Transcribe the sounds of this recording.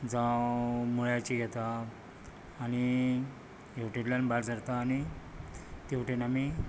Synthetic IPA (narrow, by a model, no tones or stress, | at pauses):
d͡zãmuɭjat͡ɕiɡʱɛt̪aː | ñi | jeʋʈʰeʈljanbaɽd͡zəɾt̪aːni | t̪eʋʈʰenami